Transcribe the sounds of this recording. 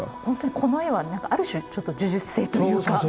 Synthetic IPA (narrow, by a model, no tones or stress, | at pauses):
hõ̞nt̪o̞ɲ̟ikʰo̞no̞eβanãŋkaʔaɾɯ̟ɕɨt͡ɕo̞t̪ːod͡ʑɨʑɨ̥se̞ːt̪ojɯːka